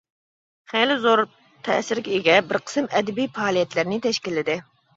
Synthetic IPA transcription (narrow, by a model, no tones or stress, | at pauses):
χelɪzoɾ | t̪ʰɛ̰sɪɾkʲiɪɡʲɛbɪɾqʰə̥sɨmɛd̪ɪbijfɑːlˠijɛt̪lɪɾnɪt̪ʰɛʃkʲilːɪd̪ɪ